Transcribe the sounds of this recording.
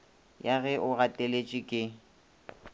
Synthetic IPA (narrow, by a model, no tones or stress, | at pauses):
jaɣɛʔʊɣatʼelet͡ʃʼɪkʼɪ